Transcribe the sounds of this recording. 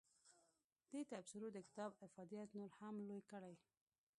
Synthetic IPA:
d̪̥et̪absɪɾod̪əkɪ̥t̪ɑbɪfɑd̪ijat̪noɾhamlojkəɽaj

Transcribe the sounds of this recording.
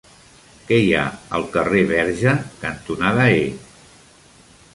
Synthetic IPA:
kɛja̰ə̰lˠkəreβ̞ɛɾʒəkənt̪unaðəe

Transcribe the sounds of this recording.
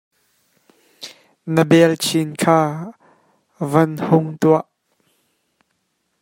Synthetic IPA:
nəbɛlt͡sʰinkʰaː | vɐnhʊŋt̪uaʔ

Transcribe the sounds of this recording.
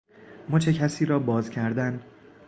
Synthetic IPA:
mɒːt͡ʃʰecʰæsiːɾɒːbɒːzcʲʰæɾd̪æn

